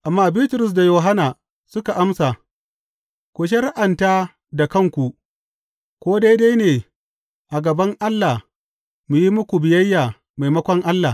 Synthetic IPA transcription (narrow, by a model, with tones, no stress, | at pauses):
ʔa˨mːaː˦biː˦tʊ˨ɾʊ˦˨s̬da˨joː˨ɦa˦naː˨ | sʊ˦ka˨ʔa˦msa˨ | kʷu˨ʃ̬e˦ɾa˦ʔa˨ntaː˦ | da˨kɐ˦˨ŋkʷu˨ | kʷoː˦da˦jda˦jneː˨ | ʔa˨ɡɐ˨bɐ˦ŋʔa˦lːa˨ | mu˨ji˦mʊ˦kʷu˨bɪ˨jɐ˦jːaː˨ | ma˨jmɐ˦kʷɔ˦ŋʔa˦lːa˨